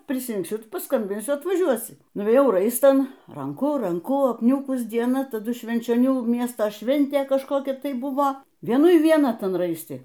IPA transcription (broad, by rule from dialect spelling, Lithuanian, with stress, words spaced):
pʲrʲɪsʲrʲɪŋkˈsʲʊ ˈtʊ pɐˈskɐmʲbʲɪnʲsʲʊ ɐtʋɐˈʒʲuɔsʲɪ nʊʋʲeːˈjɛʊ ˈrɐɪstɐn ˈrɐŋkʊ ˈrɐŋkʊ ɐpʲˈnʲuːkʊs dʲiɛˈnɐ tɐˈdʊ ʃʲʋʲɛnʲt͡ʃʲoːˈnʲuː ˈmʲiɛstoː ˈʃʲʋʲɛnʲtʲeː kɐʃˈkoːkʲɛ ˈtɐɪ ˈbʊʋoː ʋʲiɛˈnʊɪ ʋʲiɛˈnɐ ˈtɐn ˈrɐɪsʲtʲɪ